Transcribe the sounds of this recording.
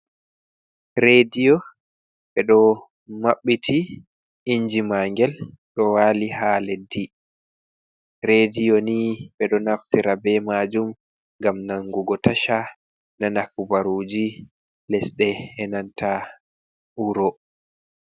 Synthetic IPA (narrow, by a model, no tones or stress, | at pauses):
ɾedijɔ | ɓɛɗɔ | maɓːitʰi | iɲd͡ʒimaŋɡɛl | ɗɔwaːlihalɛdi | ɾedijɔniɓɛɗɔnaftiɾabɛmad͡ʒum | ŋɡamnaŋɡuɡɔtaʃa | nanakubaɾuːd͡ʒi | lɛsɗɛhɛnanta | uɾɔ